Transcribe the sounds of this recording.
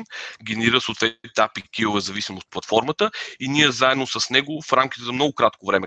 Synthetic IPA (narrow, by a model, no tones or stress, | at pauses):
nɡʲɛnɛɾiɾəsoːt̪vɛt̪t̪apikʲiʊvɛzɐvisimoːt̪̚plˠɐt̪fɔɾmət̪əinʲiɛzaɛd̪nosɐsnɛɡʊfɾamkʲit̪ɛzɐmnɔɡʊkɾat̪kovɾɛmɛ